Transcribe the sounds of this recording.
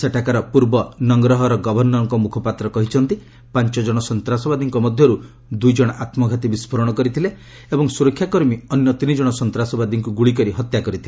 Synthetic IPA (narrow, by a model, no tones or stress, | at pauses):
seʈʰakaɾɔpuɾbɔnɔŋɡɾɔɦɔɾɔɡɔbʱɔɾnɔŋkɔmukʰɔpat̪ɾɔkɔɦit͡ʃʰɔnt̪i | pant͡ʃɔd͡ʒɔɽ̃ɔsɔnt̪ɾasɔbad̪ʱiŋkɔmɔd̪ʱjɔɾu | d̪ujd͡ʒɔɽ̃ɔʔat̪mɔɡʱat̪ibispʰɔɾɔɽ̃ɔkɔɾit̪ʰile | ebɔŋsuɾɔkʰjakɔɾmiɔnjɔt̪inid͡ʒɔɽ̃ɔsɔnt̪ɾasɔbad̪ʱiŋkuɡuɭikɔɾiɦɔt̪jakɔɾit̪ʰile